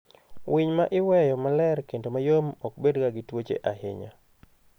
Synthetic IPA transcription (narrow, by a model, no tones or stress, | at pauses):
wʔiɲmaʔɪwɛjɔmalɛɾkendomajomɔk̚bedkaɡɪtwot͡ʃḛʔahɪ̰ɲa̰